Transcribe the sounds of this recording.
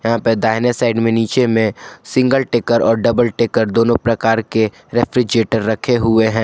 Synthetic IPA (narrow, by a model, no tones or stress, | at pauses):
jɐɦãpəɾd̪aːɦɪnesaːɪɖmẽniːt͡ʃemẽsɪ̃ŋɡəlʈeːkəɾɔːɾɖɐbəlʈeːkəɾd̪oːnõpɾɐkaːɾke | ɾɛːpʰɾid͡ʒeːʈəɾːɐkʰeɦʊeɦɛ̃ː